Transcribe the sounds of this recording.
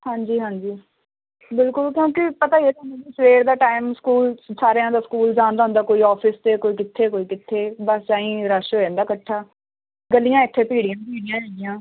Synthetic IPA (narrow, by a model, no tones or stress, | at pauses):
hãːɲd͡ʒiːɦãːɲd͡ʒiː | bɪlkʊlkjõːkɪpət̪aːieːt̪onẽːnĩsʋeːɾd̪aːʈaːɪmskuːlsaːɾeãːd̪aːskuːld͡ʒaːnd̪aːɦʊ̃nd̪aːkoːiːɔːpʰɪst̪eːkoːiːkɪt̪ʰːeːkoːiːkɪt̪ʰːeːbəst͡ʃaːĩːɾaʃoːẽnd̪aːkəʈʰːaː | ɡəlːɪjãːɪʈ̪ʰːẽːpiːɽɪjãːpiːɽɪjãːɦeːɪjãː